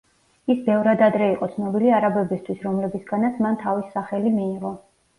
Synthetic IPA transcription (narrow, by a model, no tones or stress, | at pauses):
isbɛvɾad̪ad̪ɾɛiqʼɔt̪sʰnɔbiliaɾabɛbist̪ʰwisɾɔmlɛbisɡanat̪sʰmant̪ʰavisːaχɛlimiːʁɔ